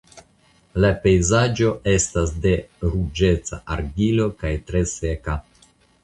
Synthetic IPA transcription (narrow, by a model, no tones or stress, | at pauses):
lape̞jzad͡ʒo̞ʔe̞stasde̞ɾud͡ʒe̞t͡sa̰ʔaɾɡilo̞kajtɾe̞se̞ka